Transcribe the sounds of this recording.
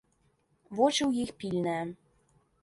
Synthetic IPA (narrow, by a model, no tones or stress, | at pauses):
vot͡ʃiwjixpilnɛ